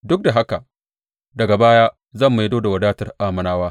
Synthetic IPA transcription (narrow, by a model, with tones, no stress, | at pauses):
dʊ˦k̚da˨ɦa˦ka˨ | dɐ˨ɡa˨baː˦jaː˦ | zɐ˦˨mːa˨jdoː˦da˨wɐ˨daː˦tɐ˨rʔaː˦mɐ˨naː˦waː˦